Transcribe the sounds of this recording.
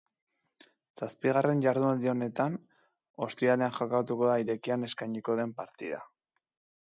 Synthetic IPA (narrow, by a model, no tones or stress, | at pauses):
saspiɣare̞nʝaɾðuald̪io̞ne̞t̪an | o̞st̪iale̞anxakat̪uko̞ðaiɾe̞kiane̞skajɲiko̞ðe̞mpaɾt̪iða̰